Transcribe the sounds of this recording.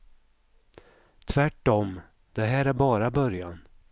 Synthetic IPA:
t̪ʰvæʈːɔm | d̪̥ɛɦæːɾæɾbɑːɾabœɾjan

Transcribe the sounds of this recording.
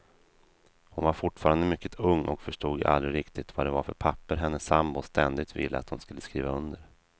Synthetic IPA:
hʊnvaɾfʊʈːfɑːɾand̪əmʏkːət̪ʰɵŋːʔɔkfœʂʈuːɡʔa̰lɾɪɾɪkt̪ɪt̪vad̪ɛvaɾfœɾpʰapːəɾɦɛnːəsambʊst̪ʰɛnd̪ɪt̪vɪ̰lːəa̰t̪hʊnskɵlːəskɾiːvaɵnd̪əɾ

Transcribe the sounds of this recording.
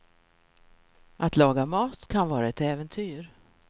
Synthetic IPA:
ʔat̪lɑːɡamɑːt̪kʰanvɑːɾaɛt̪ɛːvənt̪ʰyːɾ

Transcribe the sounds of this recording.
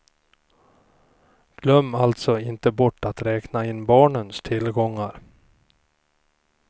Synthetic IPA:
ɡ̥lœmːalt̪sɔɪnt̪əbɔʈːat̪ɾɛːknaɪnːbɑːɳənst̪ʰɪlɡɔŋːaɾ

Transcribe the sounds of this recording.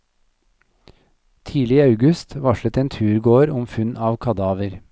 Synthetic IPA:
t̪ʰiːlɪiːɑʉɡʉst̪ʋɑʃlət̪eːnt̪ʰʉːɾɡoːɾʊmfʉnɑːʋkʰɑd̪ɑːʋəɾ

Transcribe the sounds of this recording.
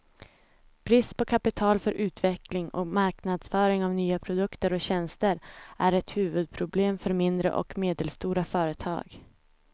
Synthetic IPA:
pʰɾiːspʰɔkʰapɪt̪ʰɑːlfœɾʔʉ̟ːt̪vɛklɪŋɔ̰maɾknad̪sfœːɾɪŋavnyːapʰɾʊd̪ɵkt̪əɾɔɕɛnst̪əɾʔæɾɛt̪hʉ̟ːvɵd̪̚pʰɾʊbleːmfœɾmɪnd̪ɾə̰ʔɔ̰kmeːd̪əlst̪uːɾafœːɾət̪ʰɑ̰ːɡ

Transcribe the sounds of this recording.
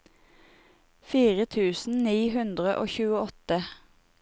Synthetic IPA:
fiːʁət̪ʰʉːsn̩niːɦʉnd̪ʁəʔo̰ːçʉːəɔt̪ə

